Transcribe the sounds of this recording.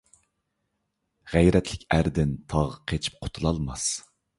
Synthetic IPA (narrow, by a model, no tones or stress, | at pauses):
ʁæjɾɛt̪ʰlɪkʲæɾd̪ɪnt̪ʰɑʁqʰet͡ʃʰi̥p̚qʰʊ̥t̪ʰulˠɑlˠmɑs